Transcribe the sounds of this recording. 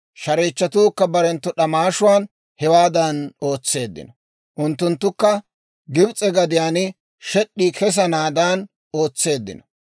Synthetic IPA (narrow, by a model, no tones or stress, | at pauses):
ʃɐɾeːt͡ʃːɐt̪uːkːɐbɐɾɛnt̪ːʊɗɐmaːʃʊwaːn | hɛwaːd̪ano̞ːt͡sːe̞ːd̪ːɪ̰nɔ | ʔʊnt̪ːʊnt̪ːʊkːɐ | ɡɪbt͡sʼɛɡɐd̪ɪjaːnɪ | ʃɛɗːiːkʰɛs̬ɐnaːd̪aːn | o̞ːt͡sːe̞ːd̪ːɪ̰nɔ̥